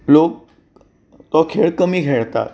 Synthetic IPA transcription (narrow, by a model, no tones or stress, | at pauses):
lok̚ | t̪ɔkʰeɭkəmiːkeɭt̪a̰t̪